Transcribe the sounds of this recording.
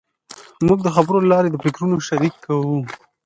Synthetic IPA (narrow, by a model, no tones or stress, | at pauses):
muɡ̚d̪əxabɾollɑɾed̪əpɾɪkɾunoʃaɾikʰːawu